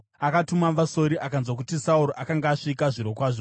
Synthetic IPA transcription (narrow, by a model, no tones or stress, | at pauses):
akatumaaso̞ɾiʔakanzwak̬utisauɾoʔakaŋɡaːʂikaʐiɾo̞kwaːʐo